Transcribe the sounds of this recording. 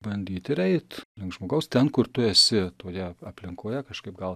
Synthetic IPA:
bɐnʲd̪ʲiːt̪ɪɾɛɪt̪lʲɪŋkʒmoːɡɐʊst̪ʲɛnkʊɾt̪ʊɛsʲɪt̪oːjɛɐpʲlʲɪŋkoːjɛkɐʃkɐɪp̚ɡɐlˠ

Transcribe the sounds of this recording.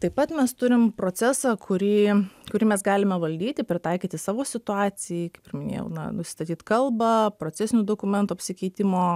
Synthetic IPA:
t̪ɐɪpɐt̪mʲɛst̪ʊɾʲɪmpɾoːt͡s̪ʲæsɑːkʰʊɾʲiːkʊɾʲiːmʲɛsɡɑːlʲɪmʲɛʋɐlʲd̪ʲiːt̪ʲɪpʲɾʲɪt̪ɑɪkʲiːt̪ʲɪsɑːʋoːsʲɪt̪ʊɑːsʲɪjikɐɪpʲɪɾʲmʲɪnʲḛjɛ̰ʊnɐ̰nʊsʲɪ̥st̪ɐt̪ʲiːt̪kɐlˠbɐpɾoːt͡s̪ʲɛsʲɪnʲud̪oːkʊmʲɛnt̪uɐpʲsʲɪkʲɛɪt̪ʲɪmoː

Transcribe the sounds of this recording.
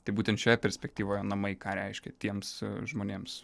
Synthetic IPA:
t̪ɐɪbuːt̪ʲɛnt̪ʃʲɛjɛpʲɛɾʲsʲpʲɛk̚t̪ʲiːʋoːjɛnɐmɐɪkɑːɾʲɛɪʃʲkʲɛt̪ʲiɛmsʒmoːnʲeːms

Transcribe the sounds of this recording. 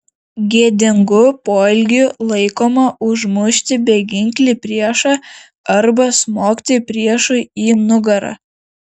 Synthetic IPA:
ɡʲiɛd̪ʲɪŋɡʊpoːɪlʲɡʲʊlˠɐɪkoːmɐʊʒmʊʃʲt̪ʲɪbʲɛɡʲɪŋʲkʲlʲipʲɾʲiɛʃɑ | ɐɾbɐsmoːkʲt̪ʲɪpʲɾʲiɛʃʊiːnʊɡɐɾɐ̰ː

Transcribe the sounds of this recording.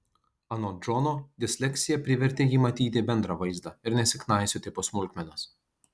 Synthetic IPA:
ɐnod͡ʒɔnoːd̪ʲɪsʲlʲɛkʲt̪sʲɪjɛpʲɾʲɪʋʲɛɾʲt̪ʲejiːmɐt̪ʲiːt̪ʲɪbʲɛnd̪ɾɐʋɐɪzd̪ɑɪɾnʲɛsʲɪknɑˑɪsʲʊt̪ʲɪposmʊlʲkʲmʲɛnɐs

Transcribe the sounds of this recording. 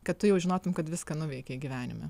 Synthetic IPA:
kɐt̪t̪ʊjɛʊʒʲɪnoːt̪ʊmkɐt̪ʋʲɪskɐnʊʋʲɛɪkʲɛiɡʲiʋʲæːnʲɪ̰mɐ̰

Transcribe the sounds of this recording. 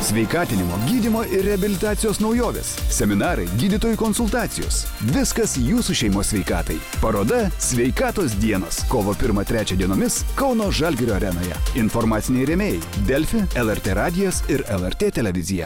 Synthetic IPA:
sʲʋʲɛɪkɑːt̪ʲɪnʲɪmo̰ːɡʲiːd̪ʲɪmoːʔɪɾʲɾʲɛɐbʲɪlʲɪt̪ɑːt̪sʲɪjoːsnɒʊjoːʋʲḛːssʲɛmʲɪnɑːɾɐɪɡʲiːd̪ʲɪt̪oːjuːkɔnsʊlˠt̪ɑːt̪sʲɪjo̰ːsʋʲɪskɐsjuːsuːʃʲɛɪmoːsʲʋʲɛɪkɑ̰ːt̪ɐɪpɐɾoːd̪ɐsʲʋʲɛɪkɑːt̪oːs̬d̪ʲiɛnoːskoːʋoːpʲɪɾmɐt̪ʲɾʲæːt͡ʃʲɛd̪ʲiɛnoːmʲɪskɒʊnoːʒɐlʲɡʲɪɾʲoːɐɾʲɛno̰ːjɛ̰ɪnfoɾmɑːt̪sʲɪnʲɛɪɾʲɛmʲeːjɛɪd̪ʲɛlʲfʲɪɛlˠɛɾʲt̪ʲeːɾɑːd̪ʲɪjoːsɪɾɛlˠɛɾʲt̪ʲeːt̪ʲɛlʲɛʋʲɪzʲɪjɛ̰

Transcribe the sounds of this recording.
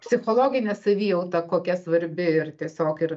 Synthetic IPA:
pʲsʲɪxoːlˠoːɡʲɪnʲɛsɐʋʲiːɛlt̪ɐkoːkʲɛsʋɐɾʲbʲɪɪrt̪ʲiɛsʲoːkɪɾ

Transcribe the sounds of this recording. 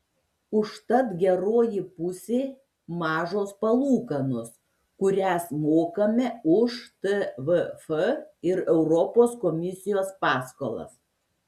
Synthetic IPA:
ʊʃt̪ɐt̪ɡʲɛɾoːjipʊsʲeː | mɑːʒoːspɐlˠuːkɐnʊs | kʊɾʲæsmoːkɐmʲɛʊʃt̪ɛʋəfəɪɾɛʊɾɔpoːskɔmʲɪsʲɪjoːspɑːsko̰ːlˠɐ̰s

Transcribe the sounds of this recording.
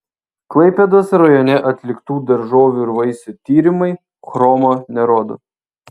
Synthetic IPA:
klˠɐɪpʲɛd̪oːsɾɐjɔnʲɛʔɐt̪ʲlʲɪkt̪uːd̪ɐɾʒoːʋʲuɪɾʋɐɪsʲʊt̪ʲiːɾʲɪmɐɪ | xɾoːmoːnʲɛɾoːd̪o̰

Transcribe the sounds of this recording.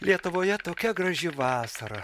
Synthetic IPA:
lʲiɛt̪ʊʋoːjɛt̪oːkʲɛɡɾɐʒʲɪʋɑːsɐɾɐ

